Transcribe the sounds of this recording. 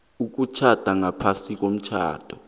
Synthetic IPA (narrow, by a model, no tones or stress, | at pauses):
uk̬ut͡ʃʰad̥ʱaŋapʰasik̬om̩t͡ʃʰa̰ːd̥ʱɔ